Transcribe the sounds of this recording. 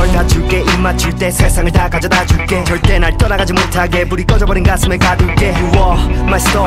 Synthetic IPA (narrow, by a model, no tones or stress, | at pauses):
ʌɭdat͡ɕuk͈eʔiɭmat͡ɕuɭt͈e̞sʰesʰaŋɯɭdakad͡ʑʌdat͡ɕuk͈e̞t͡ɕʌɭt͈e̞naɭt͈ʌnaɡad͡ʑimotʰaɡe̞puɾik͈ʌd͡ʑʌbʌɾinɡasʰɯmekaduɭk͈eɦwʌmas͈ʌ